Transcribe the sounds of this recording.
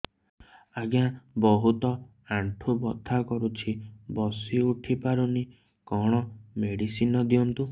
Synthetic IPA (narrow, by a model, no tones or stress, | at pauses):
aɡjãbɔɦut̪ɔ | aɳʈʰubɔt̪ːakɔɾut͡ʃʰibɔsiuʈʰipaɾuni | kɔɽ̃ɔmeɽisinɔd̪iɔnt̪u